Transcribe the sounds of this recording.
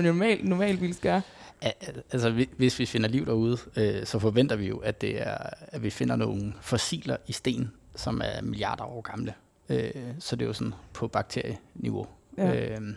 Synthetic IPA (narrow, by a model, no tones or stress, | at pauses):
nɔmɛ̰ːlnɔmɛ̰ːlʋilsɡ̥ɶːɐæælsəeʋe̝sʋife̝n̰ɐliʊd̥æːuð̞ˠøsɒ̽fɒ̽ʋen̰d̥ɐʋijo̝ʔæd̥e̝æɐæʋife̝n̰ɐnoːn̩fɒ̽sḭːlɐʔisd̥e̝̰ːn̩ | sɒ̽mæɐmiliɑ̰̈ːd̥ɐɒ̰ːɡ̥ɑ̈mlə | øsɒ̽d̥e̝jo̝sɒ̽n̩pʰɒ̽b̥ɑ̈ɡ̥̚t͡sʰe̝ɐjəniʋo̝ø